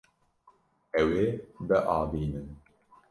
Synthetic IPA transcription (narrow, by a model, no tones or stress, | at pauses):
ɛwebɛʔaːbiːnɨn